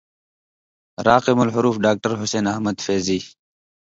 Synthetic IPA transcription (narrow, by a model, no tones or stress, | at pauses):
ɾaːqemɐlɦʊɾuːfɖaːk̚ʈəɾɦʊseːnɐhmɐd̪feːziː